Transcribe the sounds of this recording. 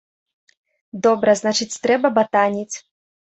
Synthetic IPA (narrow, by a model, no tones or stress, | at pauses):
d̪ɔbɾɐznat͡ʂɨt͡sʲt̪ɾɛbɐbat̪anʲit͡sʲ